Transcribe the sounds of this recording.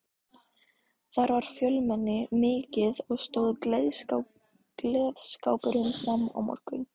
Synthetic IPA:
θaɾvaɾ̥fjœlmɛnːɪmɪːcɪðɔɣst̪oːwðð | lɛːðskaːwpɪɾʏnsnamːa̰wmɔ̰r̥kʏn

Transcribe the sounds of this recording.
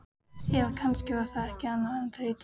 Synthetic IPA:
sjɛlkʰanscɪvaːɾθaɛhcɪanːaðɛnt̪ʰɾet̪

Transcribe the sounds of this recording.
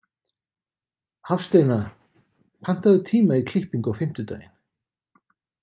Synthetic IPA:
hafst̪eːjna | pʰan̥t̪aðʏt̪ʰiːmaikʰl̥ɪhpiŋkawfɪm̥t̪ʏt̪a̰ːjɪ̰n̥

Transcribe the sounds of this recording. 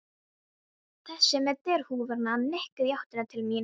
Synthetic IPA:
θɛsːɛmɛt̪ɛɾ̥huːvɛɾnaːnɛhkʏðjawht̪ɪnat̪ʰɪlmiːn

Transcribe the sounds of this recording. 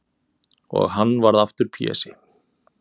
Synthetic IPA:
ɔ̰ɣhanːvaɾðaft̪ʏɾ̥pʰḭːɛ̰sɪ

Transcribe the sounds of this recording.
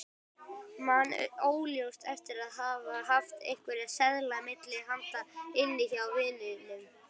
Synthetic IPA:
man̰oːwljowst̪ɛft̪ɪɾaðɦaːvaɦaft̪ḛjŋ̥kvɛɾiaðsɛðlamɪt̪lɪɦan̥t̪aɪnːɪçawvɪːlɪðɪnːɪm

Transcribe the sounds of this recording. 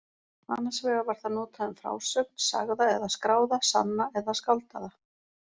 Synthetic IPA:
ma̰nːasvɛːɣavaɾ̥θanɔːt̪ʰaðʏnfɾa̰ːwsœk̚n̥sa̰ɣðaɛðaskɾaːwðasa̰nːaɛðaskawlt̪aða

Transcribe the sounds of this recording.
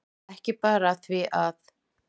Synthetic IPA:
ɛhcɪpaːɾaθviʔað

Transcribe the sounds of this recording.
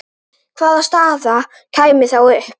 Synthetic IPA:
kʰvalˠast̪aða | kʰajmɪθawɪ

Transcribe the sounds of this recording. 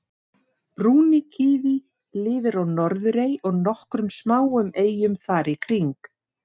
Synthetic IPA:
pɾuːnɪcʰɪːði | lɪːvɪɾawnɔɾðʏɾeːjɔɣnɔhkɾʏmsmaːwʏmeːjʏmθaɾikʰɾiŋk

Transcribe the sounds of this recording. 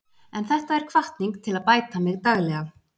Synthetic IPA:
ɛnθɛht̪aɛɾ̥kʰvaht̪niŋkt̪ʰɪlaðpaːjt̪amɪɣt̪aɣlɛɣa

